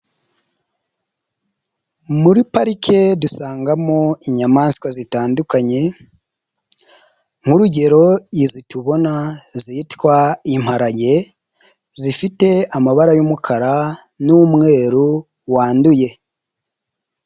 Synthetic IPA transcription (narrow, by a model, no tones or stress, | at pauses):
muɾipaɾikʰe̞dusaːŋɡamoiɲamaːnskwazitaːndukaɲe̞ | ŋ̥huɾuɟe̞ɾo̞izituβo̞nazitwaim̥haɾaɟe̞ | zifite̞amaβaɾajumukʰaɾa | numŋe̞ːɾu | waːnduje̞